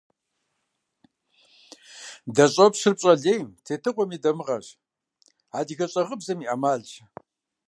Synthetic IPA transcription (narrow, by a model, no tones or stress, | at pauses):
dɐɕʼɐpɕɨrpɕʼɐɮejmtʰeːtʰɨqʷɔmiːdɐmɨʁɐ̰ɕ | aːdiɣɐɕʼɐʁəbzɐmiːʔɐmaːɮt͡ʃ